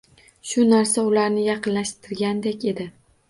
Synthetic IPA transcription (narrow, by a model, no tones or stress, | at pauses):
ʃʊnaɾsaʊlaɾnɪjɑqɨnlaʃt̪ʰɪɾɡʲand̪ekʲe̞d̪ɪ